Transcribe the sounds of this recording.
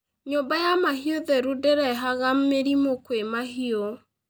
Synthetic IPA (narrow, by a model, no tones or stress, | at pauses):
ɲombajamaɦioðɛɾodɛɾɛɦaɣammːeɾimokwemaɦiɔ